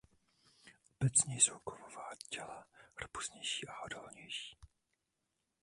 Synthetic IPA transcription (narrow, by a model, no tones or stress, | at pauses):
ʔobɛt͡sɲɛjsowkovovaːcɛlarpu̥sɲɛjʃiːʔaʔodolɲɛjʃi̥ː